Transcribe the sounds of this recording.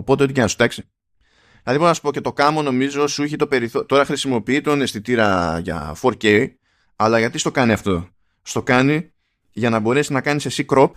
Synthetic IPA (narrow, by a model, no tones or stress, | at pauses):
opo̞t̪eo̞t̪icenɐsu̥t̪ɐksi̥ | ðilɐðibonɐsu̥po̞ce̞t̪o̞kɐmo̞no̞mizo̞suçit̪o̞pe̞ɾiθot̪o̞ɾɐxɾisimo̞piit̪o̞ne̞st̪it̪iɾɐʝɐ̰fo̞ɾce̞ | ɐlɐʝɐt̪ist̪o̞kɐniɐft̪o̞ | st̪o̞kɐni | ʝɐnɐbo̞ɾe̞siznɐkɐnise̞sikɾo̞p